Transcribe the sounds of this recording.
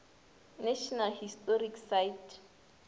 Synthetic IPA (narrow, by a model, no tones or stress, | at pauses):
naʃɔnalhistʼoriksajtʰ